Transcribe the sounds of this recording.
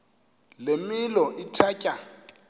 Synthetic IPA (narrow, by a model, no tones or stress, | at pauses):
lemɪlɔʔɪtʰacʼa